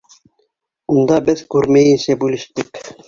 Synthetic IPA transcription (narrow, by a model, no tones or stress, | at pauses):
und̪ɑbɘðkʉɾmæjɘ̆nsæbʉlɘ̆ʃt̪ɘk